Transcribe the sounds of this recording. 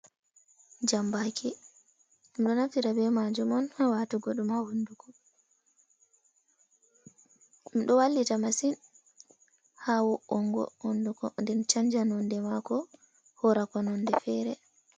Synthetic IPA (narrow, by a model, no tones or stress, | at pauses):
d͡ʒambakʰi | mɗɔnaftiɾabɛmad͡ʒumɔnhawatuɡɔɗɔmawundukɔ | mɗɔwalːitamasin | hawuʔɔŋɡɔ̰hondukɔ̰ndɛnt͡ʃaɲd͡ʒanɔndɛmakɔ | hɔɾakɔnɔndɛfɛːɾɛ